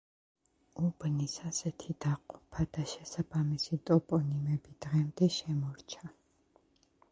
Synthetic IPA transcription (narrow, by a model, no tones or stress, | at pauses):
ubnisasɛt̪ʰid̪aqʼupʰad̪̥aʃɛsabamisit̪ʼɔpʼɔnimɛbid̪ʁɛmd̪ɛʃɛmɔɾt͡ʃʰa